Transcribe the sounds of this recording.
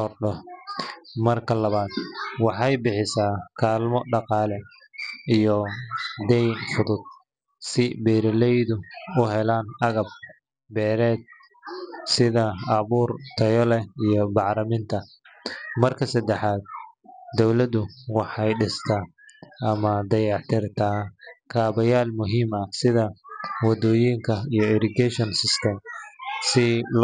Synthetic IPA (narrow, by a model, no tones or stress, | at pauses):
ɔrɖɔh | mɐrkʰɐlɐβaːd̪wɑħɑjbɪħɪsaːkʰaːlmɔɖɑqɑːlɛ | ijɔd̪ɛjnfʊðʊd̪̚ | sɪbɛːɾɐlɛjðʊʊɦɛlaːnɐɣɐb̚ | bɛːɾɛːd̪̚ | sɪðɐɐβuːrt̪ʰɐjɔlɛijɞbɑʕlɐmɪnt̪ʰɐ | mɐrkʰɐsɐd̪ɛħaːd̪̚d̪ɔwlɐðʊwɑħɑjɖɪst̪ʰɐ | ɐmɐd̪ɐjɑʕt̪ʰɪrt̪ʰaːkʰaːβɐjaːlmʊɦiːmɐsɪðɐwɑd̪ɔːjiŋkʰɐijɔɪɾɪɡɛʃɔnsɪst̪ʰɛmsɪl